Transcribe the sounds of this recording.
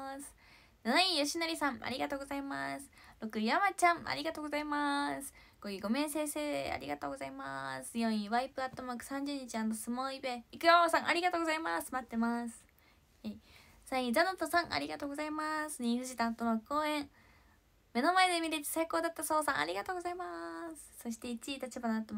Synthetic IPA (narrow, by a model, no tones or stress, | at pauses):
sɨ̥ | noĩjoɕinaɾʲisãŋa̰ɾʲiɡat̪o̞ːɡozaimasɨ̥ɾo̞kɯ̟jamat͡ɕãŋa̰ɾʲiɡat̪o̞ːɡo̞zaimasɨ̥ | ɡ̥oiɡo̞mẽ̞ɰ̃sẽ̞ɰse̞ːdḛa̰ɾʲḭɡat̪oːɡo̞zaimasɨ̥jõɰ̃ĩβaipɯ̟at̪ːo̞maːkɯ̟̥sãɲ̟d͡ʑɨːɲ̟it͡ɕiãnt̪osɨmoibe̞ikɯjosãŋ̃ʔaɾʲiɡat̪o̞ːɡo̞zaimasɨ̥mat̪ːe̞masɨ̥ | he | saiĩd͡zano̞t̪osãŋʔa̰ɾʲiɡat̪o̞ːɡo̞zaimasɨɲ̟iɸɯ̟ʑit̪aːt̪ːo̞makɯ̥oːẽ̞ɴ | me̞no̞mae̞d̪emʲiɾet̪e̥saiko̞ːd̪at̪ːaso̞ːsã̰a̰ɾʲiɡat̪o̞ːɡo̞zaimasɨ̥so̞ɕ̬i̥t̪e̞it͡ɕit̪at͡ɕibanat̪ːo